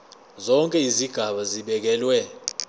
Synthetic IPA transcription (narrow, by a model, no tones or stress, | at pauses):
zɔŋkʼɛiziɡ̥ʱaɓaziɓɛk̬ɛlwɛ